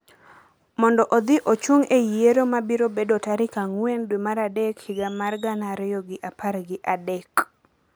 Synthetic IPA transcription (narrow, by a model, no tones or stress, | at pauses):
mɔndɔʔod̪ɪʔot͡ʃuŋejeɾomabiɾobedotaɾɪkaŋwendwemaɾadɛkhɪɡamarɡanaɾɪjɔɡɪʔaparɡɪʔadɛk